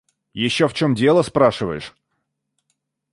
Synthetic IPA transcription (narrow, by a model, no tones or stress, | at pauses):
jɪɕːoft͡ɕo̞mdʲe̞lˠəspɾaʂɨvə̰jɪʂ